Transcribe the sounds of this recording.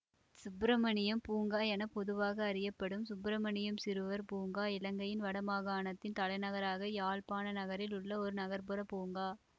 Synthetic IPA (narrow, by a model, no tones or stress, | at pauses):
sʊbɾɐmɐɳɪjɐmpuːŋɡaːɛnɐpɔðɯʋaːɣɐːɾɪjɐpːɐɽɯmsʊbɾɐmɐɳɪjɐmsɪɾɯʋɐɾpuːŋɡaːɪlɐŋɡɐjɪnʋɐɽɐmaːɣaːnɐt̪ːɪnt̪ɐlɐɪnɐɣɐɾaːɣɐjaːɭpaːnɐnɐɣɐɾɪlʊɭːɐɔɾɯnɐɣɐɾpɯɾɐpuːŋɡaː